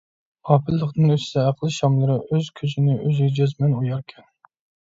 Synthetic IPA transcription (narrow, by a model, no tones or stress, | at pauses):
ɑpʰɪlːəqd̪ɨnøsɪ̥sɛæqlˠɨʃɑmlˠɨɾɨʔøzkʲʰøzɪnɪʔøzɡʲɛd͡ʒøzmɛnojɑɾkʲʰɛn